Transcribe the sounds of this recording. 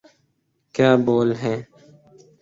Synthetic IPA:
kjaːboːlɦɛ̃ː

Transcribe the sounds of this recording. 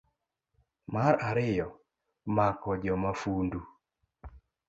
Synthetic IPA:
maɾaɾɪjɔ | makɔd͡ʒɔmafundu

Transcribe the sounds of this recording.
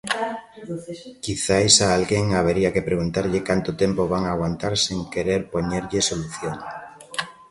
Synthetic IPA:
kiθaesaːlɣeŋaβeɾiakepɾeɣ̞unt̪aɾʎekant̪ʊt̪empoβaŋaɣwant̪aɾseŋkeɾeɾpoɲeɾʎesoluθjoŋ

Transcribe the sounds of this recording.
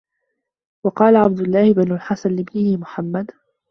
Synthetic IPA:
wɑqɑːlaʕab̚d̪ʊlːɑːhɪbanulħasanlɪbnɪhɪmʊħamːad̪

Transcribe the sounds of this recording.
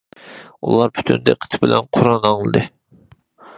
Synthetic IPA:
ṵlˠɑɾpʰy̥t̪ʰynd̪ɛ̰qʰə̥t̪ʰbɪlɛnqʰʊɾɑnɑŋlˠɨd̪ɨ

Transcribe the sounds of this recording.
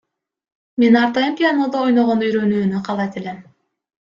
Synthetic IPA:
me̞nɑɾt̪ɑjɯmpʲɪjanod̪ɑojnoʁonyjɾø̞nyːnyqʰɑlˠɑt̪elem

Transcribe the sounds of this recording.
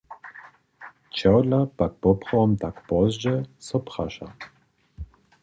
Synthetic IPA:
t͡ʃawdlapak̚pɔpχɔɔmt̪akpɔzd͡ʒɛsɔpχaʃa̰

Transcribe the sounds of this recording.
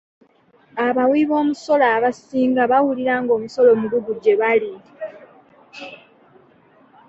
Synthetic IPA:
aβawiβo̞ːmuso̞laːβasiːŋɡaβawuliɾaŋɡo̞ːmuso̞lo̞ːmuɡuɡuɟe̞βali

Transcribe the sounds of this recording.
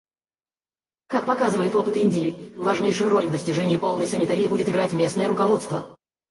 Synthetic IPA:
kak̚pɐkazɨvəjɪt̪o̞pɨt̪ɪnʲdʲɪlʲɪvɐʐnʲejʂʊjʊɾo̞lʲvd̪əsʲtʲɪʐɛnʲɪːpo̞lˠnəjsənʲɪt̪ɐɾʲɪjːbudʲɪt̪ɨɡɾatʲmʲe̞snəjəɾʊkɐvo̞t̪st̪və

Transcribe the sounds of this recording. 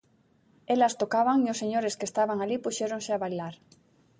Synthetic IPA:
elast̪okaβaŋiosːeɲoɾeskest̪aβaŋalipuʃeɾõŋseaβajlaɾ

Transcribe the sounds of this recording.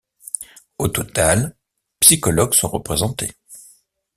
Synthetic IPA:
ot̪ɔt̪al | psikɔlɔɡsɔ̃ʁəpχezɑ̃t̪e

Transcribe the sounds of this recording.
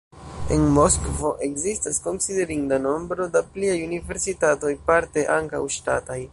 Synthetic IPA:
e̞̰nmo̞skvo̞ʔe̞kzistasko̞nside̞ɾindano̞mbɾo̞dapliajunive̞ɾsitato̞jpaɾte̞ʔaŋka̰wʃta̰taj

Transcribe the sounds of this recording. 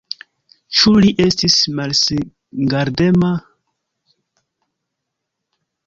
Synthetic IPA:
t͡ʃuliʔestismals | ŋɡaɾdema

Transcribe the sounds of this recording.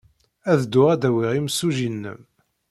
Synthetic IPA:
æðd̪ːʊʁæd̪æwiʁiməsːuʒinːə̰m

